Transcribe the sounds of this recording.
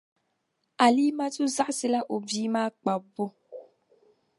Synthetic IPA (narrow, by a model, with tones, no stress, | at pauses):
a˨li˦mã˦tu˦za˦si˦la˦ʔo˨vi˨˦mã˦k͡pa˨bo˦